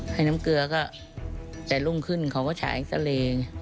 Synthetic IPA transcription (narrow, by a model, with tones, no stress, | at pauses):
ha˥˩jna˦˥mkɯ˧ɐkɔː˥˩ | t͡ɕa˨˩jlu˦˥˩mkʰɯ˥˩nkʰa˧˦˩wkɔː˥˩t͡ɕʰa̰ː˨˩˦jsʰa̰˧˦leː˧ŋ